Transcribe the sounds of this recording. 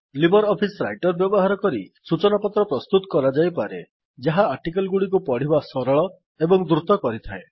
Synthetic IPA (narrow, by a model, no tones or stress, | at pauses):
libɔɾɔpʰisɾa̰jʈɔɾbjɔbɔɦaɾɔkɔɾisut͡ʃɔnapɔt̪ɾɔpɾɔst̪ut̪ɔ̥kɔɾad͡ʒajpaɾe | d͡ʒaɦaːɾʈikalɡuɽik̬upɔɽ̤ibasɔɾɔɭɔ | ebɔŋd̪ɾut̪ɔkɔɾit̪ʰae